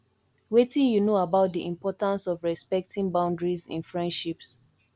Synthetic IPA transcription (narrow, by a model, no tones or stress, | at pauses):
wetĩnjunoabaʊt̚diʔĩmpɔtãnsɔvɹɛspɛk̚tʰĩŋbãʊ̃ndɹizḭ̃nfɹɛ̃ndʃips